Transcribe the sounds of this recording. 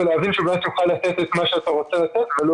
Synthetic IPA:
lavinʃebet̪uxalːat̪et̪et̪maʃeat̪aʁot͡selat̪et̪velo

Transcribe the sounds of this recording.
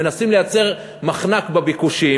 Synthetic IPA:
enasimlejat͡se̞ʁ | maχnakbabikuʃi

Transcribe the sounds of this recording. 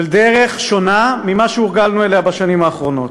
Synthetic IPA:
ld̪eʁe̞χʃo̞namimaʃeuʁɡalnueleabaʃanimaːχʁo̞no̞t̪

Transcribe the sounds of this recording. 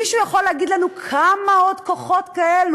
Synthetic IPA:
iʃujaχoleaɡid̪lanukʰamao̞d̪koχo̞t̪kaelu

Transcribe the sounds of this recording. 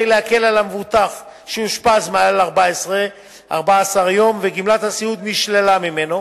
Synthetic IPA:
jleake̞lalamevut̪af | ʃeuʃpazmaalaʁbaesʁe | ʔa̰ʁbaːsaʁjo̞mveɡimlat̪hasiud̪miʃlelamime̞no̞

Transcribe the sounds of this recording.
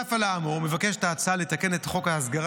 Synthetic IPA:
afalaːmome̞vakeʃetaːt͡saalet̪ake̞netχo̞kaasɡaʁ

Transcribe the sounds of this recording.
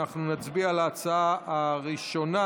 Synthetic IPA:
aχnunat͡sbialaːt͡saaaʁiʃo̞na

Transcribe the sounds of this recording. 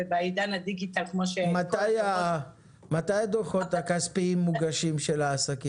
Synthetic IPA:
ebeajid̪anad̪iɡit̪alkmoʃemataja | matajad̪oʁχotakaspiimːuɡaʃimʃelaːsaki

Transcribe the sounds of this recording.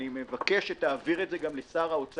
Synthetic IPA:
nime̞vake̞ʃetaːviʁetzeɡamlesaːʁaot͡s

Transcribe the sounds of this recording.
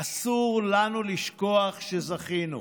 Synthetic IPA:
asuʁlanuliʃkoaχʃezaχinu

